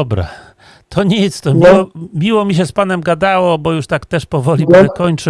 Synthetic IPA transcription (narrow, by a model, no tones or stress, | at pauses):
ɔbɾa̰ | t̪ʰɔɲit̪st̪ɔmʲiwɔmʲiwɔmʲiɕɛspanɛmɡad̪awɔbɔjuʂt̪akt̪ɛʂpɔvɔlʲipɛkɔɲt͡ʂɨ